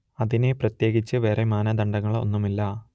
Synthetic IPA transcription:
ɐðine̞prɐt̪je̞ːɡit͡ɕːɨʋeːremaːnɐd̪ɐɳɖɐŋːɐɭo̞̰nːumilːɐ

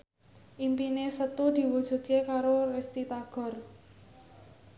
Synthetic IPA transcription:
ʔimpinesət̪ud̪̥i̤wud̥ʒ̥ṳd̪̚kekaɾorest̪it̪aɡ̥ɔ̤r

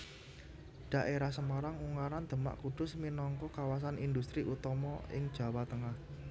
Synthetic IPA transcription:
ɖ̥a̤ʔeɾahsəmaɾaŋuŋaɾand̪̥ə̤ma̰ʔkuɖ̥ʊsminɔŋkɔkawas̬anind̪ust̪ɾiʔut̪ɔmɔʔɪ̰ŋd̥ʒ̥ä̤wat̪əŋah

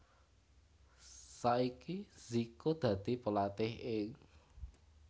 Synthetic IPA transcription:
saikiz̥ikod̪̥ä̤d̪̥i̤pəlat̪ɪhɪŋ

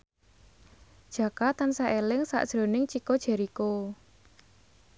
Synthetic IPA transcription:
d̥ʒ̥ä̤kat̪ansaʔelɪŋsa̰ʔd̥ʒ̥ɾo̤nɪŋt͡ʃikod̥ʒ̥ɛ̤ɾiko

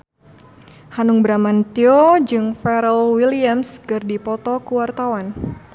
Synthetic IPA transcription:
hanuŋbɾamant̪iod͡ʒɨŋfɛɾəlwiliamskɨrdipɔt̪ɔkuwart̪awan

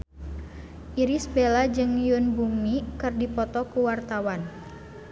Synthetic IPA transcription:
ʔiɾisbelad͡ʒɨŋjʊnbumikɨrdipɔt̪ɔkuwart̪awan

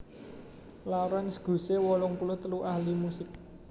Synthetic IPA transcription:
laɾansə̥ɡ̥o̤sewɔlɔŋpulʊht̪əluʔahlimusɪk̚

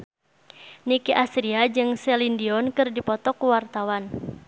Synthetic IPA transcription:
nikiʔasɾiad͡ʒɨŋsɛlindiɔnkɨrdipɔt̪ɔkuwart̪awan

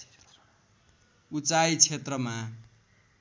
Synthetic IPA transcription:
ut͡sajt͡sʰet̪rʌma

